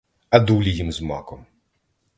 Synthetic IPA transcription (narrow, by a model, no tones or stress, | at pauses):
ɐd̪ulʲijimzmɑ̰kɔm